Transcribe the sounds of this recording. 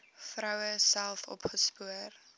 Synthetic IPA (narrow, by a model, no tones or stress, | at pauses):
frɐwəsælˠfɔ̰pχəspuər